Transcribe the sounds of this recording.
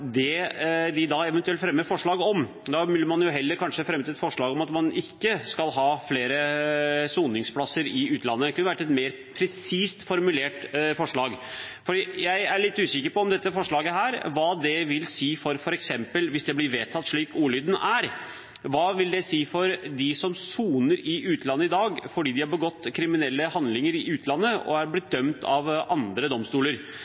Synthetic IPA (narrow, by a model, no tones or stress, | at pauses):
d̪ɛd̪ɪd̪ɑɛʋɛnt̪ʉɛlt̪fɾɛmːəfɔʂɭɑːɡɔm | d̪ɑmʉlːəɾmɑnjʊɦɛlːəɾkʰɑnʂəfɾɛmːət̪ɪɛt̪fɔʂɭɑːɡɔmɑt̪mɑnɪkːəskɑlɦɑːfleːɾəsuːnɪŋspʰlɑsəɾɪʉːt̪ʰlɑnːəkʰʉnəʋæʈːɛt̪meːɾ | pʰɾɛsiːst̪fɔɾmʉleːʈfɔʂɭɑːɡfɔɖiːjæɪæɭɪt̪ːʉːsɪkəɾpɔɔmd̪ɛt̪ːəfɔʂɭɑːɡəɦæːɾʋɑːd̪ɛʋɪlsiːfɔɾfɔɾɛksɛmpəlʋɪsd̪ɛblɪɾʋeːt̪ʰːɑt̪ːʂɭiːkuːlyːd̪n̩æɾ | ʋɑːʋɪld̪ɛsiːfɔɾd̪ɪsɔmsuːnəɾɪʔʉːt̪ʰlɑnːəɪd̪ɑːɡfɔɖiːd̪ɪhɑɾbəɡɔt̪ːkʰɾɪmɪnɛlːəhɑnd̪lɪŋəɾɪʉːt̪ʰlɑnːəɔ̰hɑɾblɪt̪̚d̪œmt̪ʰɑʋɑnd̪ɾəd̪ɔmst̪uːləɾ